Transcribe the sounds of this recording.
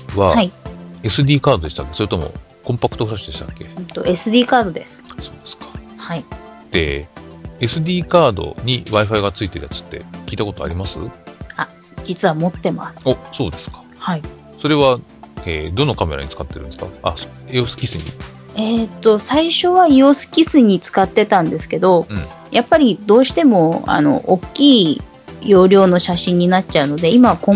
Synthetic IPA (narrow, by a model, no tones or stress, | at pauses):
βahaie̞sɨd̪ʲiːkaːd̪o̞d̪e̞ɕi̥t̪akːsojet̪omo̞̰ | kõmpakɯ̟̥t̪o̞ɸɯ̟ɾaɕid̪e̞ɕi̥t̪akːe̞t̪o̞̰ʔe̞sɨd̪ʲiːkaːd̪o̞d̪e̞̰sɨ̥so̞ːd̪esɨ̥kḁhaid̪̥e̞ | esɨd̪ʲiːkaːd̪o̞̰ɲ̟iβaiɸaiɡat͡sɨit̪e̞ɾɯ̟ja̰t͡sɨ̥t̪ːe̞̰kʲiːt̪akot̪o̞a̰ɾʲimasɨ̰a | d͡ʑit͡sɨβamo̞t̪ːe̞ma̰sɨ̥oso̞ːd̪e̞sɨ̥kḁ | hai | so̞ɾe̞βaed̪o̞nokame̞ɾa̰ɲ̟it͡sɨ̥kat̪ːe̞ɾɯ̟̃nd̪esɨ̥ka̰a̰so | osɨ̥kʲisɨɲ̟ḭ | e̞t̪ːo̞saiɕo̞βaiosɨ̥kʲisɨɲ̟it͡sɨ̥kat̪ːe̞t̪ãnd̪e̞sɨ̥ke̞d̪õ̞ | japːaɾʲid̪o̞ːɕi̥t̪e̞mo̞a̰no̞̰ʔokʲːiː | jo̞ːɾʲo̞ːno̞ɕaɕĩɲ̟ːinat̚t͡ɕaɯ̟no̞d̪e̞imaβkõ